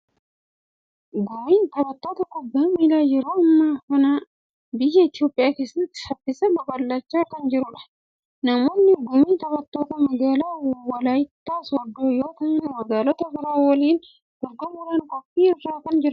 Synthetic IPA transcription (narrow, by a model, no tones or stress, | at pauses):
ɡʊmiːnt̪ɐbɐt̪ːoːt̪ɐkːʊbːɐmiːlaːjɛɾoːɐmːaːkɐna | bɪjɛɪt̪jo̞ːpʼːɪjaːke̞ːsɐt̪ːɪ̥fɐtːɪsɐbɐbɐlːɐt͡ʃːaːkɐnd͡ʒɪɾʊᶑɐ̥ | nɐmonːɪɡʊmiːnt̪ɐbɐt̪ːoːt̪ɐmɐɡaːlawɐlajt̪ːaːsɔd̪ːoːjoːt̪ɐɪnwɐɡaːlɔt̪ɐɡɪɾaːwɔliːn | d̪ʊɾɡɔmɪɾɐnkʼɔfːiːɪrːaːkɐnd͡ʒɪɾɐ